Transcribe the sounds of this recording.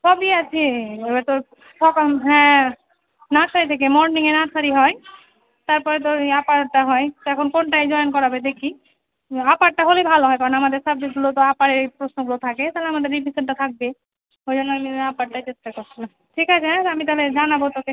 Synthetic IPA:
sɔbiat͡ʃʰibɛɾt̪o | sɔkmɦɛ̃ | naʈsaɾit̪ʰekemɔɾniŋenaʈsaɾiɦɔe | t̪aɾpɔɾet̪̬oapaɾʈaɦɔet̪ɛkʰonkonʈajd͡ʒɔjnkɔɾabed̪ekʰi | apaʈ̚ʈaɦolebʱaloɦɔjkaɾonamad̪eɾsab̚d͡ʑeɡulot̪oapaɾeɾpɾosnoɡulot̪ʰaket̪aleamad̪eɾːipiseɳʈat̪ʰak̚be | ɦojd͡ʒonːoamiapaʈʈat͡ʃestakoɾt͡ʃʰilam | ʈʰikat͡ʃʰeɦɛ̃t̪amit̪aled͡ʒanabot̪ɔke

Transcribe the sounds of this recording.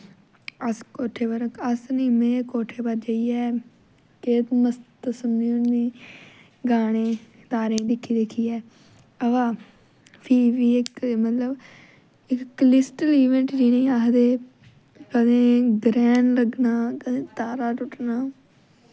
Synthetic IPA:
əskoːʈʰeːbəɾəkəsnĩːmẽːkoːʈʰeːbəɾd͡ʒəiːɛː | keːt̪məst̪əsənːĩːʊnniː | ɡaːɽ̃eː | t̪aːɾẽːd̪ɪkʰːiːd̪ekʰiːɛː | əʋaː | pʰiːʋiːɪkmət̪ləb | ɪkklɪsʈəliːʋɛ̃ɳʈd͡ʒiːnĩːaɦd̪eː | kəd̪ẽːɡɾɛːnləɡnaːeːt̪aːɾaːʈʊʈnaː

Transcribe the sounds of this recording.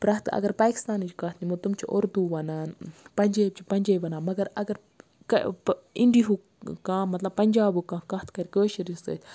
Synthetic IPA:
pɾaht̪ka̰ɡaɾpakst̪anit͡ʃkat̪nimot̪umt͡ʃaʔoɾd̪ubanapand͡ʒebt͡ʃipand͡ʒebanamaɡaɾaɡaɾ | kaind̪iɦu | kãmat̪lapand͡ʒabukakaht̪kaɾkəʃiɾisḛt̪

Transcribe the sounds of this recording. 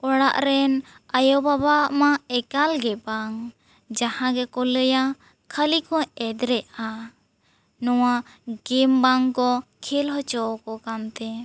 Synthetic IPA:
ɔɽaʔɾɛn | ajɔbabamaɛkalɡɛbaŋ | d͡ʒahãɡɛkɔləja | kʰəlikɔ̃ɛd̪ɾɛʔa | nɔwaɡɛmbaŋkɔkʰilɦɔt͡ʃɔkɔkamt̪ɛ

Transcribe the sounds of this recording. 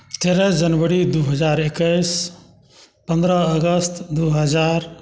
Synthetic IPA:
t̪eɾəd͡ʒənʋəɾid̪uɦəd͡ʒaɾekəɪs | pənd̪ɾəəɡəst̪d̪uɦəd͡ʒaɾ

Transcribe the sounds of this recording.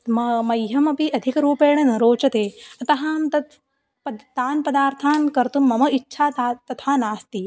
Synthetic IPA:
mɐmɐjɦɐmɐpiʔɐd̪ʱikɐɾuːpeːɳɐnɐɾoːt͡ʃɐt̪eːɐt̪ɐɦaːmt̪ɐt̪ | pɐt̪aːnpɐd̪aːɾt̪ʰaːnkɐɾt̪umːɐmɐitːʃʰaːt̪at̪ɐt̪ʰaːnaːst̪i

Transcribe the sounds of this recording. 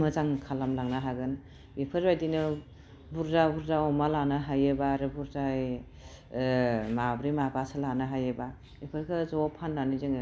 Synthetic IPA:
mɯzaŋkʰalamlaŋnaɦaɡɯn | ipʰɯɾbajdinɯ | buɾzabuɾzaɔmalanaɦajebaɾɯbuɾzaj | mabɾimabasɯlanɯɦajeba | ipʰɯɾkʰɯzɔpʰanlanizɯŋ

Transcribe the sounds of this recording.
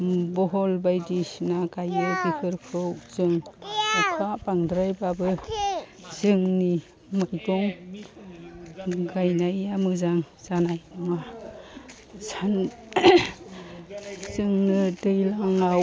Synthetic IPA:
bɔɦɔlbajdisnaɡajɯɡikʰɯɾkʰɯwzɯŋɔpʰaʔpaŋdɾajbabɯ | zɯŋni | majdɔŋ | ɡajnajamɯzaŋ | z̥anajma | san | z̥ɯŋnɯdɯjlaŋaw

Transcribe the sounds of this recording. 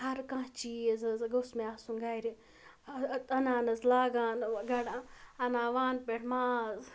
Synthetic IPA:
hɐɾkãːt͡ʃiːzɐzɡosmeasũŋɡaːɾi | t̪ɐnaːnɐzlaːɡaːnɡɐɽaɐnaːʋaːnpeʈʰmaːz

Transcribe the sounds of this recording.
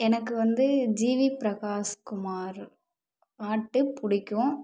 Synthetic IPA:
ɛnɐkːɯʋɐnd̪ɯd͡ʒiːʋipɪɾɐkaːskʊmaːɾ | aːʈːɯpʊɽɪkʲːʊ̃

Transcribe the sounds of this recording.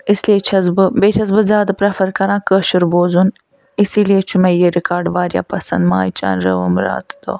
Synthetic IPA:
isleːt͡ʃʰɐzbɨbeːt͡ʃʰɐzbɨzjaːd̪ɐpɾɐfɐɾkɐɾãːkəʃuɾboːzun | isileːt͡ʃʰumejeɾikaːɾɖʋaːɾja̰ːpɐsɐ̰nd̪maːjt͡ʃa̰ːnɾɐ̰ʋə̰mɾa̰ːt̪d̪o̰ː

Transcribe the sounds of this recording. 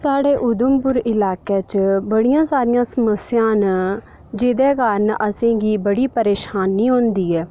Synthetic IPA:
saːɽeːʔʊd̪əmpʊɾɪlaːkeːt͡ʃbəɽijãːsaːɾɪjãːsəməsɪjãːn | d͡ʒeːd̪eːkaːɾnʔəsẽːɡiːbəɽiːpəɾeːʃaːnːiːɦõːnd̪iːɛː

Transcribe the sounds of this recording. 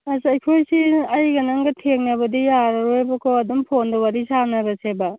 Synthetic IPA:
ɐzɐjkʰojsiɐjɡɐnɐŋɡɐtʰeŋnɐβɐdijaɾɐɾojbɐkʰoɐdumpʰondɐwaɾisanɐbɐseba

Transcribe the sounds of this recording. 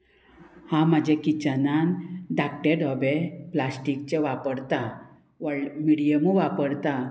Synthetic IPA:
hãmad͡ʑʱekit͡ɕananɖak̚ʈeɾɔbeplasʈik̚t͡ɕeʋapəɽt̪a | ʋəmiɽijəmuʋapəɽt̪a

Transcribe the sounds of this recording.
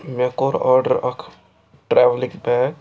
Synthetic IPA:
mɛkoːɾɔːɾɖəɾɐkʰ | ʈɾɛːʋlɪkbɛːɡ

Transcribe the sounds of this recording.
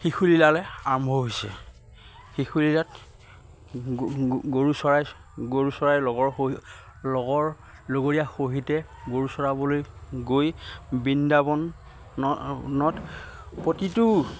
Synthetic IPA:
xixʰulilalɛambʱɔɦojsɛ̰ | xixulilat | ɡoɹusɔɹaj | ɡoɹusɔɹajlɔɡɔɹ | lɔɡɔɹ | loɡoɹijaxoɦitɛ | ɡoɹusɔɹabɔlojɡojbindabɔn | ɔnɔtpotitʊ

